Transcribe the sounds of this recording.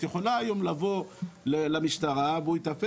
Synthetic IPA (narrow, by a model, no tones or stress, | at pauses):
tjeχo̞laːjo̞mlavo̞lelamiʃtaʁaveuit̪afe